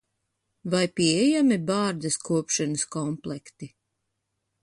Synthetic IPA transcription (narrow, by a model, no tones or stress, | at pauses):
vajpʲiɛjamibaːɾd̪ɐskuɔpʃanəskɔmplˠɛkt̪i